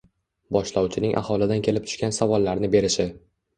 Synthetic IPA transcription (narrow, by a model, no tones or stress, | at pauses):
bɒʃlawt͡ʃʰɪnɪŋʔa̰hɒlɪd̪ankʲʰe̞lɪp̚t̪ʰʊ̥ʃkʲansavɒlˠːaɾnɪbe̞ɾɪʃɪ